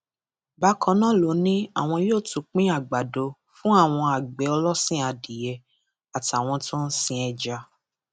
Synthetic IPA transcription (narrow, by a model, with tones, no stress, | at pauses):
ba˧˦kʰɔ̃˨˧˦nã˦lo˨˦nĩ˦a˦˨w̃ɔ̃˧joː˦˨tũ˨˧k͡pĩ˦a˦˨ɡ͡ba˨do˧ | fũ˦a˦˨w̃ɔ̃˧a˨ɡ͡bɛ˨˦ɔ˧lɔ˦sĩ˦˨a˧di˨jɛ˧ | a˨ti˨a˨w̃ɔ̃˧tõ˦n̩˦sĩ˧ɛ˧d͡ʒa˧